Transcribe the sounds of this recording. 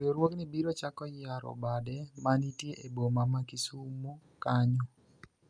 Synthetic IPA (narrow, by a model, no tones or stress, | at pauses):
oɾwoknibiɾot͡ʃakɔjaɾɔ̰badɛmanitjeʔebomamakisumukaɲɔ